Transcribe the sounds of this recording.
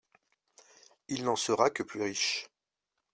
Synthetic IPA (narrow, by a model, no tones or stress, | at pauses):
ilnɑ̃səʁakəplyʁiʃ